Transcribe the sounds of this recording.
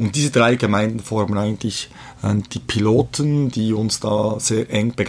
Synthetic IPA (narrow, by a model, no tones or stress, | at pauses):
ʊnt̚d̥iːzədʁaɪɡəmaɪndn̩fɔɾmənaɪɡən̩tlɪç | ɛd̥iːpʰiloːtʰənd̥iːʊnsd̥ɑːz̥eːɐʔɛŋb̥əɡ